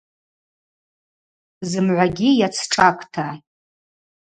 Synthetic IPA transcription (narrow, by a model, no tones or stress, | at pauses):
zɨmʕʷaɡʲijat͡sʰʈ͡ʂʼakʷʰʼtʰa